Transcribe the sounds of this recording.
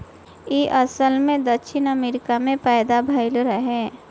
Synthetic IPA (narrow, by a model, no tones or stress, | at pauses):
iʔəsəlmẽd̪əkʃʰɪnəmeːɾɪkamẽpajd̪abʱaɪlɾəɦɛː